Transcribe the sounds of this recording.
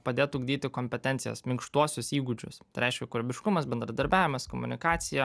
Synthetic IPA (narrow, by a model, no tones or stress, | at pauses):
pɐd̪ʲeːt̪uːɡd̪ʲiːt̪ʲɪkoːmʲpʲɛt̪ʲɛnt̪sɪjɛ̰smʲɪŋkʃt̪uɔsʲʊsiːɡʊd͡ʒʲʊ̰st̪ɐɪɾʲɛɪʃʲkʲɛkʊɾʲɛbʲɪʃkʊmɐsbʲɛnd̪ɾɐd̪ɐɾʲbʲæːʋʲɪmɐskomʊnʲɪkɑːt̪sʲɪjɛ